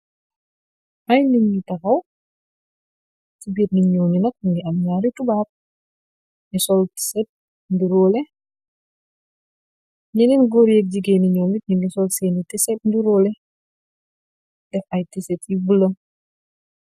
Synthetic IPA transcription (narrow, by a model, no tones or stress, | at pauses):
mɐjniŋɡitɐxɐw | tibirniɲɔːninɐk̚ŋɡiɐmɲaːɾitubaːp̚ | nisɔlti̥sɛt̚ | ndiɾɔːlɛ | ɲɛninɡɔɾjek̚ɟiɡɛːniɲɔːmit̚niŋɡisɔlsɛːnitɛsɛt̚ndiɾɔːlɛ | d̥ɛfɐjtisɛt̚ibulɐ